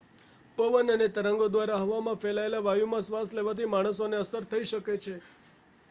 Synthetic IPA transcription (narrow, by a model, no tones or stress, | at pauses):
pəʋənənet̪əɾəŋɡod̪ʋaɾaɦəʋamãfelaelaʋajumãsʋasleʋat̪ʰimaɽ̃əsoneəsəɾt̪ʰəiʃəket͡ʃʰe